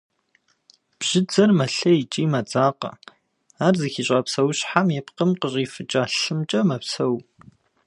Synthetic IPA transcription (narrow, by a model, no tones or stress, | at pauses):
b̥ʒ̥ɪd͡zɐrmɐɬɐit͡ʃʼiːmɐd͡zaːqɐ̰ | aːrzɨxiɕʼaːpsɐwɕħamjɛpqəmqəɕʼiːfɨt͡ʃʼaːɬɨmt͡ʃʼɐmɐpsɐw